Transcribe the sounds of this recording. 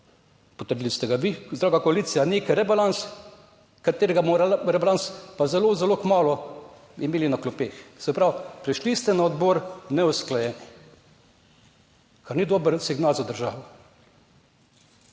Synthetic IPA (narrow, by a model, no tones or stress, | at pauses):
pɔt̪əɾd̪ilist̪ɛɡaʋizd̪ɾaːɡakɔaliːsijaneːkɾɛbalans | kat̪eːɾɛɡamɔɾɾɛbalanspazɛlozɛloːkmaːlɔ | imeːlinaklɔpeːxsɛpɾawpɾɛʃlist̪ɛnaɔd̪boːɾnɛusklajɛːni | kaɾnid̪oːbəɾsiɡnaːlzad̪əɾʒaːʋɔ